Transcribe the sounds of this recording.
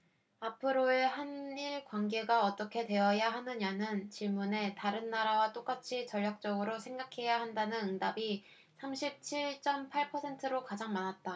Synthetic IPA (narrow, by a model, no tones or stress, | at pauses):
apʰɯɾoehaniɭkwaŋɡe̞ɡaʌt͈ʌkʰe̞dwe̞jʌjaɦanɯɲanɯnt͡ɕiɭmune̞taɾɯnːaɾawat͈ok͈at͡ɕʰit͡ɕʌʎːak̚t͡ɕ͈ʌɡɯɾosʰe̞ŋɡakʰe̞jaɦandanɯnɯŋdabi | sʰamɕʰip̚t͡ɕʰiɭt͡ɕ͈ʌmpʰaɭpʰʌsʰe̞ntʰɯɾokad͡ʑaŋmanat̚t͈a